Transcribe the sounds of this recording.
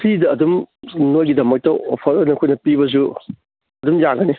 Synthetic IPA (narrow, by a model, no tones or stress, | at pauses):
pʰɾidɐːdumnojɡidɐmɐk̚tɐʔo̰pʰɐɾɐnɐkʰojnɐpibɐz̬u | ɐdumjaɡɐne